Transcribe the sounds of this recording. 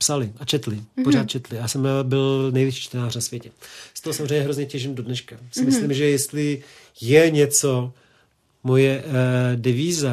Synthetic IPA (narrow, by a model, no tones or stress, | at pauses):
psalɪat͡ʃɛt̪lɪporaːt̪̚t͡ʃɛt̪lɪjaːsɛmbɪlnɛjvjɪʃiːt͡ʃt̪ɛnaːrnasvʲjɛcɛst̪oɦosamzrɛjɲɛɦɾo̞zɲɛcɛʒɪmdo̞dnɛʃkasɪmɪslimʒɛjɛst̪lɪ | jɛɲɛt͡so̞ | mojɛdɛviːza